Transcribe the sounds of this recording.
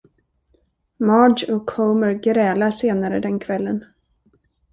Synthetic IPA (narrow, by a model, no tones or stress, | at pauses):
mɑːɖɔkhoːməɾɡɾɛːlaseːnaɾəd̪ɛnkʰvɛlːən